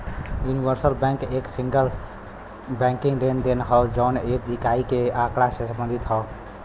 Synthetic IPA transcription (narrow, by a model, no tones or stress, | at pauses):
juniʋəɾsəlbɛ̃keːksĩŋɡəl | bɛ̃ŋkiŋɡɖend̪enɦɔʊd͡ʒɔʊneblikaikeakɽasesə̃mbə̃nd̪ʱit̪ɦɔʊ